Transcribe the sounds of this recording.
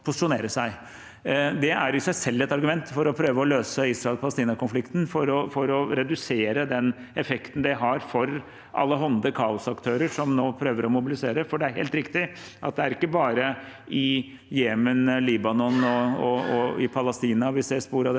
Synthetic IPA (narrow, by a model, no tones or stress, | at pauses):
pʰʊsɪ̥ʂʊneːɾəʂæɪ | d̪ɛæɾɪsæɪsɛlːɛt̪ɑɾɡʉmɛnt̪fɔɾɔpʰɾøːʋəɔløːsəiːsɾɑɛlpʰɑləst̪iːnɑkʊnflɪkt̪n̩fɔɾɔfɔɾɔɾɛd̪ʉseːɾəd̪ɛn | ɛfɛkt̪n̩d̪ɛɦɑɾfɔɾ | ʔɑ̰lːəɦɔnd̪əkʰɑːʊsɑkt̪ʰøːɾəʂɔmnoːpʰɾøːʋəɾɔmʊbɪlɪseːɾəfɔɖɛæɾheːlt̪ɾɪkt̪ɪ | ʔɑ̰t̪̚d̪ɛæɾɪkːəbɑːɾə | ɪ | jeːmənliːbɑnɔnɔɔɔɪpʰɑləst̪iːnɑʋɪsɛspuːɾɑd̪